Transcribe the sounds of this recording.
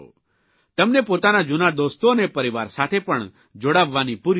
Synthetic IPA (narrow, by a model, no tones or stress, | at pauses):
o̰ː | t̪ɐmnɛpoːt̪anad͡ʒʊnad̪oːst̪õnɛpɐɾɪʋaːɾsaːt̪ʰepɐɳ̃ | d͡ʒoɽaːʋːaːnipuɾ